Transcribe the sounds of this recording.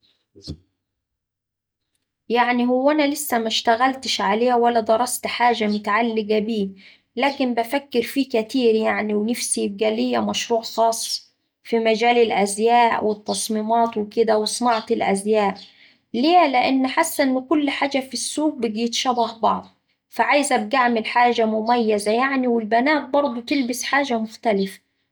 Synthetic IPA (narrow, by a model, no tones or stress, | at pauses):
jaʕniɦʊwːænælɪsːæmæʃt̪æɣælt̪ɪʃʕaleːæwælːæd̪ˤɑɾˤɑst̪ħaːʒæmʊt̪aʕalːɪɡæbiː | læːkɪmbæfækːɪɾfiːkæt̪iːɾjaʕniwnafsib̚ɡælɪjːæmæʃɾuːʕxɑːsˤ | fimæd͡ʒæːlɪlʔæzjæːʔwɪt̪ˤːɑsˤmiːmɑːt̪wɪkɪd̪æwɪsˤnɑʕt̪ɪlʔæzjaːʔ | leːlɪʔanːħasːæʔnːkʊlːħaːd͡ʒafisːuːɡ̚bɪɡiːt̪ʃɑbɑhbɑʕd̪ˤ | faʕajzʔab̚ɡaʕmɪlħaːʒamʊmajːazajaʕniwɪlbænaːt̪̚bɑɾˤd̪ˤut̪ɪlbɪsħaːʒamʊxt̪alɪfḁ